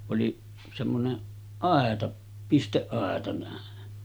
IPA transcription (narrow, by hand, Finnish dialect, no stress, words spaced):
oli semːoneʔ ʔɑˑetɑ pisteʔːɑˑetɑ næˑen